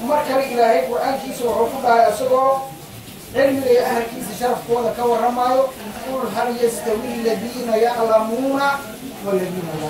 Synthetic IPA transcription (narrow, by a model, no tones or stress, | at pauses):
mɐrkʰɐlɪɪlaːhɛjqʊrʔaːŋkʰiːsɐwɑħuːkʰʊɖɑːlɛjɐsɐɣɔː | ʕɪlmɪɣɐjɛʔɐhɐlkʰiːsɐʃɐɾɑfkʰɔːðɐkʰɐwɑrɐmaːjɔqʊlɦɐljɐst̪ʰɐwɪlːɐðiːnɐjɑʕlɐmuːnɐ | wɐlːɐðiːnɐjɐ